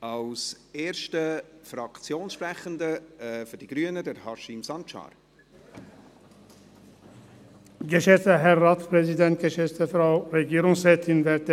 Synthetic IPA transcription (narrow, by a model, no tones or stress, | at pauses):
ɑlseːɾʃtəfɾɑkt͡sjoːnsʃpɾæχənd̪əfʏɾdiɡ̥ɾyənədɛɾhɑʃɪmsɑntʃɑ̰ːɾ | ɡəʃɛst̪əɦæɾːɑːt̪spʰɾɛsɪd̪ɛnt̪̚ɡ̥əʃɛst̪əfɾɑʊɾɛɡeːɾʊŋsɾɛt̪ʰɪnʋæɾt̪ə